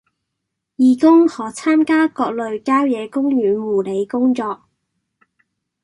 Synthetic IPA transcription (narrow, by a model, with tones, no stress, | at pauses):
jiː˨˧kʊ˥ŋhɔː˨˥t͡sʰaː˥mkaː˥kɔː˧k̚lɵ˨˧ɥkaː˥wjɛː˨˧kʊ˥ŋjyː˨˥nwuː˨˩le˨˧jkʊ˥ŋt͡sɔː˧k̚